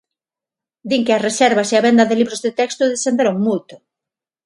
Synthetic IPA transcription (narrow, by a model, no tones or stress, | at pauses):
d̪iŋkɪɐsresɛɾβaseɐβɛnd̪ɐðeliβɾozðet̪ɛkst̪ʊðesθend̪eɾoŋmult̪ʊ̥